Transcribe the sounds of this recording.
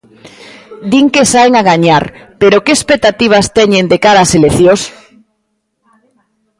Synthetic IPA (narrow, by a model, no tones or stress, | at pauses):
d̪iŋkesaeŋaɣaɲaɾpeɾokeespek̚t̪at̪iβ̞ast̪ɛɲend̪ekaɾaːseleθjos